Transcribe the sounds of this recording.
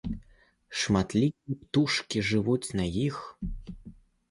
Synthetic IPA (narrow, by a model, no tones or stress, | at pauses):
ʂmat̪lʲikʲiɛpt̪uʂkʲiʐɨvut͡sʲnajix